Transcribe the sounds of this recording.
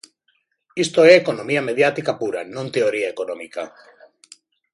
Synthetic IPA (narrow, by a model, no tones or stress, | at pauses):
ist̪oeːkonomiameðjat̪ikapuɾa̰nõnt̪eoɾiaekonõmika̰